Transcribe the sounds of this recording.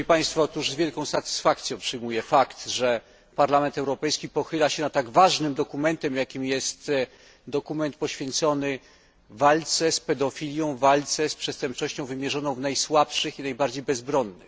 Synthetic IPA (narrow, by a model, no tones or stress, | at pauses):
ipaj̃st̪fɔɔt̪uʐzvʲjɛlkɔ̃w̃sat̪ɘ̥sfakt̪sjɔ̃w̃pʂɘjmujɛfakt̪ʐɛ | paɾlamɛnt̪ɛwɾɔpɛjskʲipɔxɘlaɕɛnat̪ːaɡvaʐnɘmd̪ɔkumɛnt̪ɛmjakʲimjɛst̪ | d̪ɔkumɛnt̪pɔɕfʲjɛnt̪sɔnɘ | valt̪sɛspɛd̪ɔfʲilʲjɔ̃w̃valt̪sɛspʂɛst̪ɛmp̚t͡ʂɔɕt͡ɕɔ̃w̃vɘmʲjɛʐɔnɔ̃w̃vnajswapʂɘxinajbaɾd͡ʑejbɛzbɾɔnːɘ̰x